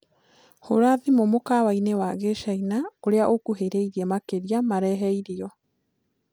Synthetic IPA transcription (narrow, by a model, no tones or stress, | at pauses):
hoɾaðimomokawainewaɣeʃainaoɾeaʔokuɦeɾeiɾiɛmakeɾiamaɾɛɦɛiɾiɔ